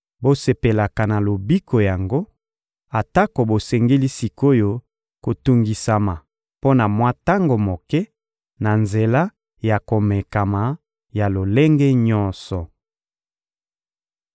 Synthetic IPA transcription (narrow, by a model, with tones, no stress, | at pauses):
bo˦se˨pe˨la˨ka˨na˨lo˨bi˦ko˨ja˨ŋɡo˦ | a˨ta˦ko˨bo˨sɛ˨ŋɡe˦li˦si˨ko˦jo˦ | ko˨tu˨ŋɡi˨sa˨ma˨ | po˦na˨mwa˦ta˦ŋɡo˨mo˨kɛ˦ | na˨nze˨la˦ | ja˨ko˨mɛ˨ka˨ma˨ | ja˨lo˨le˦ŋɡɛ˦ɲɔ˦nsɔ˨